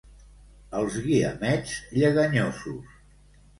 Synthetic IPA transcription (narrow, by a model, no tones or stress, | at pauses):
əlˠzɣiəmɛdzʎəɣəɲosus